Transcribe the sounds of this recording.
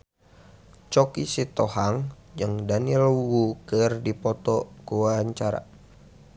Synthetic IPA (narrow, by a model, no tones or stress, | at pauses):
t͡ʃɔkisit̪ɔhaŋd͡ʒɨŋdanilwukɨrdipɔt̪ɔkuwaɲt͡ʃaɾa̰